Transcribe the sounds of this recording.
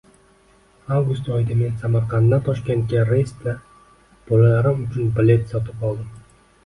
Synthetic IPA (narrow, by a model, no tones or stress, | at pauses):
avɡʊst̪ɒjɪd̪ame̞nsamaɾqʰɑnd̪ːant̪ʰɒʃkʲent̪̚kʲaɾest̪la | b̥ɒlalaɾɪmʊt͡ʃʰʊnbɪle̞t̪sɒt̪ʰɪpɒlˠd̪ɪm